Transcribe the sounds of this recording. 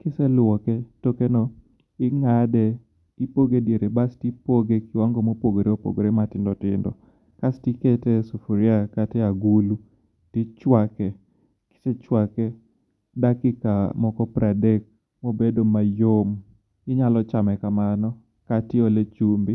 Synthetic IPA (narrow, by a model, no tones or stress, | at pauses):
kɪsɛlwɔkɛtokenɔ | ɪŋadɛ | ɪpoɡedjeɾebastipoɡekɪwaŋɡomopoɡoɾeopo̰ɡoɾematɪndɔtɪndɔ̰ | kastikɛtɛsofuɾiakatɛaɡulu | tɪt͡ʃwakɛ | kɪ̥sɛt͡ʃwakɛ | dakɪkamɔkɔpɾadek̚ | mobedomajom | ɪɲalɔt͡ʃamɛkamanɔ | katɪolet͡ʃumbɪ